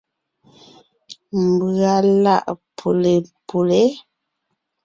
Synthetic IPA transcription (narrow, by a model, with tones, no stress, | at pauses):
m̩˨bɰa˨la̰˦˨ʔpʰo˨le˨pʰo˨le˦